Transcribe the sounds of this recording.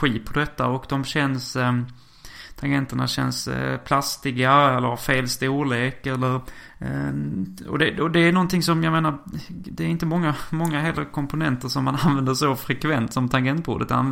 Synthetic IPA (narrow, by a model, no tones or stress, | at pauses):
ɧiːt̪pʰɔd̪ɛt̪ːa̰ɔkd̪ɔmɕɛns | t̪ʰaŋɡɛnt̪əɳa̰ɕɛ̰nspʰlast̪ɪɡaɛlːəɾhafeːlst̪uːleːkɛlːəɾ | ɔ̰d̪ɛɔd̪ɛænɔnt̪ɪŋsɔmjameːnaɾd̪ɛːɾɪnt̪əmɔŋːamɔŋːaɦɛlːəkʰɔmpʊnɛnt̪əɾʂɔmːananvɛnd̪əʂɔfɾɛkʰvɛnt̪sɔmt̪ʰaŋɡɛnt̪̚bṵːd̪ət̪a̰n